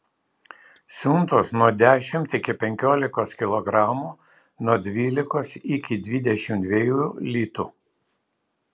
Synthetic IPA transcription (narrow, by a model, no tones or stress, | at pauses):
sʲʊnt̪oːsnuɔd̪ʲæːʃʲɪmt̪ɪkʲɪpʲɛŋʲkʲoːlʲɪkoːskʲɪlˠɔɡɾɑːmuː | nuɔd̪ʲʋʲiːlʲɪkoːsɪkʲɪd̪ʲʋʲid̪ʲɛʃʲɪmt̪ʲʋʲejuːlʲiːt̪u